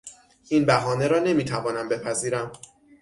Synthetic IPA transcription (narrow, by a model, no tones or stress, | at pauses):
inbæɦɒːne̞ɾɒːne̞miːt̪ʰævɒːnæmbe̞pʰæziːɾæm